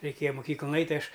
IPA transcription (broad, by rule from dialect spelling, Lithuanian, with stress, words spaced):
rʲɛɪˈkʲeːjɛ mʊˈkʲiːklˠʊn ˈɐɪtʲ tɐɪ ˈɐʃ